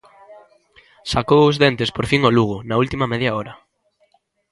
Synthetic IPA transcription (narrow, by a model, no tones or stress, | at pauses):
sakowʊzðent̪espoɾfiŋoluɣ̞ʊnɐult̪imɐmɛðjaɔɾɐ